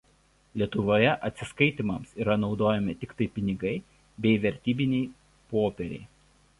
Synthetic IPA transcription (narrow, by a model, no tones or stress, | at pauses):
lʲiɛt̪ʊʋoːjɛʔɐt̪ʲsʲɪskɐɪt̪ʲimɐmsiːɾɐnɒʊd̪oːjɛmʲɪt̪ʲɪkt̪ɐɪpʲɪnʲɪɡɐɪ | bʲɛɪʋʲɛɾʲt̪ʲiːbʲɪnʲɛɪ | poːpʲɛɾʲɛ̰ɪ